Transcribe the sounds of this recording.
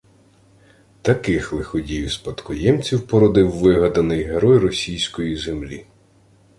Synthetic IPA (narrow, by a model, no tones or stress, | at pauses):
t̪ɐkɪxlˠɪxɔdʲijspɐt̪kɔjɛmt͡sʲiwpɔɾɔd̪ɪwːɪɦɐd̪ɐnɪjɦeɾɔjrɔsʲijsʲkɔjizemlʲḭ